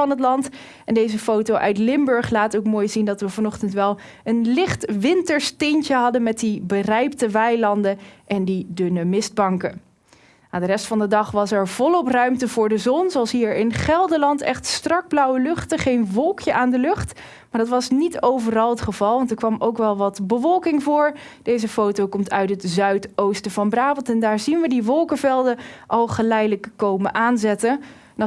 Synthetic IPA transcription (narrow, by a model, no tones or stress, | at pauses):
ɑnɦətlɑnt | ɛndejzəfowtowʔœ̰ɥtlɪmbɵɹχlaːtowkmoːjzindɑtʋəvɑnɔχtəntʋɛlˠ | ənlɪχtʋɪntəɹstencəɦɑdənmɛt̚dibərɛjp̚təʋɛjlɑndəʔɛndidɵnəmɪzd̚bɑŋkə | jadərɛstfɑndədɑχʋɑsɛɹv̥ɔlˠɔprœɥmtəvʊːɹdəzɔnzoɑlˠsɦiːɹɪnχɛlˠdəlɑntɛχtstrɑɡ̚blʌwəlɵχtəχejnʋɔlˠkjəʔaːndəlɵχt | maːɹdɑtʋɑsnitowvərɑlˠɦətχəv̥ɑlˠʋɑntɛɹkʋɑmowkʋɛlˠʋɑtbəvɔlˠkɪŋvʊːɹ | d̥ejzəfowtowkɔmtʰœɥtɦətzœɥtowstəvɑnbraːbəlˠtɛndaːɹzinʋədiʋɔlˠkəvɛlˠdəʔɑlˠχəlɛjdələkːowməʔaːnzɛtə | n